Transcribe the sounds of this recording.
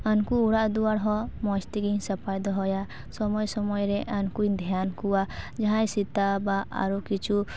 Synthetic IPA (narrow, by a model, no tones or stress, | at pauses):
ankuːɽaʔd̪uaɽɦɔmɔst̪iɡiɲsɔpajd̪ɔɦɔja | sɔmɔjsɔmɔjɾɛʔankujd̪ʱjankuad͡ʒaɦãjsit̪abaa̰ɾukit͡ʃʰu